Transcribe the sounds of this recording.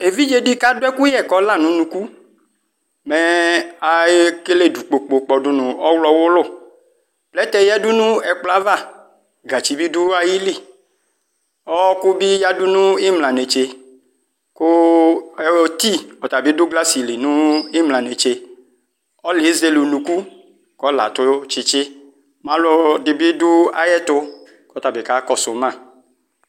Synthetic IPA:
e˨vi˦d͡ʒe˦ɖi˦ka˦dʊ˦ɛ˦ku˦jɛ˦˨kɔ˨˦la˦˨nũ˨˦nũ˨ku˦ | mɛ˨a˨e˦ke˦le˦˨du˨k͡po˨k͡po˨k͡pɔ˨dʊ˨˦nʊ̃˨ɔ˦wlɔ˦wʊ˦lʊ˦˨ | plɛ˦t̪ɛ˦jɛ˦dʊ˦nũ˦ɛ˨k͡pla˦va˦˨ | ɡa˨t͡ʃi˨bi˦dʊ˦a˦ji˦li˦˨ | ɔ˦ku˦bi˦ja˦dʊ˦nũ˦i˦mla˨ne˨t͡ʃe˧ | kʊ˦ɛ˨ɔ˦t̪i˦ɔ˨t̪a˨bi˦dʊ˦ɡla˦si˨li˨nũ˦i˦mla˨ne˨t͡ʃe˧ | ɔ˦lɪ˨˦ze˨lu˨nũ˨ku˦ | kɔ˦la̰˨t̪ʊ˦t͡ʃɪ˦t͡ʃɪ˦ | mã˨˦lɔ˦dɪ˨bi˦dʊ˦a̰˦jɛ˦t̪ʊ˦ | kɔ˦t̪a˨bɪ˨ka˦kɔ˦sʊ˨mã˦˨

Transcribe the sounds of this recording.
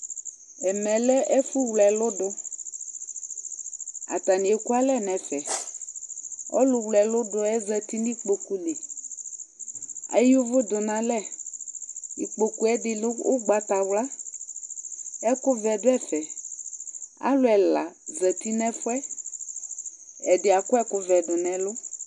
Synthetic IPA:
ɛ˨mɛ̃˨lɛ˦ʔɛ˦fu˦wlɛ˨lʊ˦ɖʊ˦ | a̰˨t̪a˨nĩ˨e˨ku˦a˦lɛ˦nɛ̃˨fɛ˨ | ɔ̰˦lʊ˨wlɛ˨lʊ˦dʊ˨ɛ˦zɛ˨t̪i˦nĩ˦k͡po˨ku˦le˨ | a̰˦jʊ˦vʊ˦d̪ʊ˨nã˨lɛ˦ | i˨k͡po˨ku˦ɛ˦dɪ˨lʊ˦ʊ˦ɡ͡ba˨t̪a˨wla˦ | ɛ˦kʊ˦vɛ˨dʊ˦ɛ˦fɛ˨ | a̰˦lʊ˦ɛ˨la̰˨zɛ˨t̪i˦nɛ̃˦fʊ˦ɛ˦ | ɛ˨dɪ˨a˨kʊ˦ɛ˦kʊ˦vɛ˨dʊ˨nɛ̃˨lʊ˦

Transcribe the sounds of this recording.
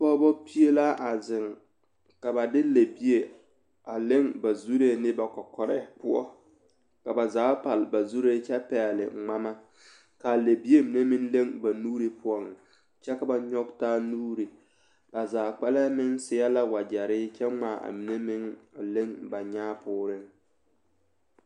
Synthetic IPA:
pɔ˦bɔ˦pi˦e˦la˦ʔa˨zɪ˨ŋ | ka˨ba˨dɪ˦le˨bi˦e˨ | a˨lɪ˦ŋba˨zu˦ɾe˦nɪ˦ba˨kɔ˨kɔ˨ɾɛ˦pʊ˦ɔ̰˦ | ka˨ba˨zaː˨˦pa˨lba˨zu˦ɾe˦t͡ʃɛ˦pɛ˨lɪ̰˨ŋ͡ma˦ma˦ | ka˨le˨bi˦e˦mi˨ne˦mɪ˦nle˦ŋba˨nuː˦ɾe˦pʊ˦ɔ˦n˨ | t͡ʃɛ˦ka˨ba˨ɲɔ˦ɡ̚taː˦nuː˦ɾe˨ | ba˨zaː˨k͡pa˦lɛ˦mɪ˦ŋsɪ˦a˦la˦wa˨d͡ʒa˨ɾɪ˦t͡ʃɛ˦ŋ͡maː˦˨ʔa̰˨mi˨ne˦mɪ˦ŋ˨le˦ŋba˨ɲaː˦pʊː˦ɾɪ˦ŋ

